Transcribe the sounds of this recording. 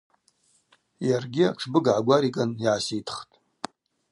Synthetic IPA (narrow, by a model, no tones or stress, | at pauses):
jarɡʲɪa̰ʈ͡ʂʰbɨɡʕaɡʷaɾikʼaniʕasitʰχtʼ